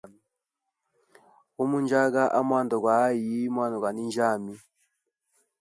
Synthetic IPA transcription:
u˦mu˦nd͡ʒa˦ɡa˦ʔa˦mwa˦˨ndɔ˨ɡwa˨˦ji˨˦mwa˦˨nɔ˨ɡwa˨ni˦nd͡ʒa˦˨mi˦

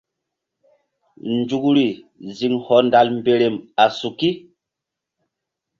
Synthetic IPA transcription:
nd͡ʒu˨kɾi˨zi˨ŋhɔ˨nda˨lm˦be˨ɾe˨ma˨su˨ki˦

